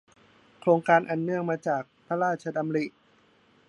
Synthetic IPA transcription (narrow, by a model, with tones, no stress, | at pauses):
kʰɾoː˧ŋkaː˧nʔa˨˩nːɯ˧˩əŋmaː˧t͡ɕaː˨˩k̚pʰa˦˥ɾaː˥˩t̪̚t͡ɕʰa˧da˧mɾi˨˩ʔ